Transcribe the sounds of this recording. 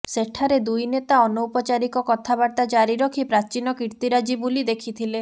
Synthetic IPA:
seʈʰaɾed̪ujnet̪aɔnoupɔt͡ʃaɾikɔkɔt̪ʰabaɾt̪ad͡ʒaɾiɾɔkʰipɾat͡ʃinɔkiɾt̪iɾad͡ʒibulid̪ekʰit̪ʰile

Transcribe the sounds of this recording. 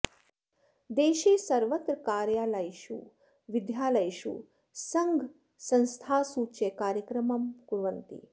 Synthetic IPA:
d̪eːʃiːsɐɾʋɐt̪ɾɐkaːɾjaːlɐjʃṵ | ʋid̪jaːlɐjʃṵ | sɐŋɡʱ | sɐ̃nst̪ʰaːsuːt͡ʃekaːɾjɐkɾɐmɐmkuɾʋɐnt̪ḭ

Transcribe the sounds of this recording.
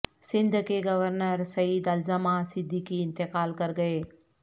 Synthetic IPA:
sɪ̃nd̪ʱkeɡɐʋəɾnəɾsɐid̪ɐlzɐmasɪd̪ʱːikiɪ̃nt̪ɪkaːlkɐɾɡɐeː

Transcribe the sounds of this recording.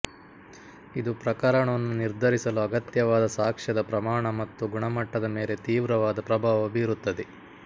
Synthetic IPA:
id̪upɾɐkɐɾɐɳɐʋɐnːuniɾd̪ʱɐɾisɐluɐɡɐt̪jɐʋaːd̪ɐsaːkʂɐd̪ɐpɾɐmaːɳɐmɐt̪ːuɡuɳɐmɐʈːɐd̪ɐme̞ːle̞t̪iːʋɾɐʋaːd̪ɐpɾɐbʱaːʋɐbiːɾut̪ːɐd̪e

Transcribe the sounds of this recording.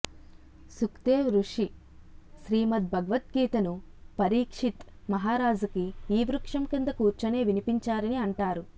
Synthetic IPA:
sukt̪eːʋɾuʂi | ʃɾiːmɐt̪̚bʱɐɡɐʋɐt̪̚ɡiːt̪ɐnupɐɾiːkʂit̪mɐɦaːɾaːd͡ʒukiːʋɾukʂɐmkind̪ɐkuːɾt͡ʃɐne̞ːʋinipiɲt͡ʃaːɾɐniɐɳʈaːɾu

